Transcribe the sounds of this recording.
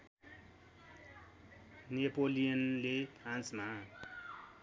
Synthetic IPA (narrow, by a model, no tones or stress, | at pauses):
nepolijʌnlepʰrãnt͡sma